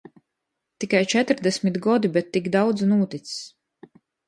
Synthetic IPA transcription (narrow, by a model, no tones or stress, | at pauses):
t̪ikajt͡ʃɛt̪ɾd̪ɛsʲmit̪ɡɔd̪ibɛt̪ːikd̪awd̪znuːt̪it̪ss